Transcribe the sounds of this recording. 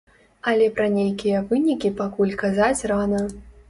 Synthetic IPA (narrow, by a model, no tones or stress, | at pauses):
ɐlʲɛpɾɐnʲejkʲijɐvɨnʲikʲipakulʲkazat͡sʲranɐ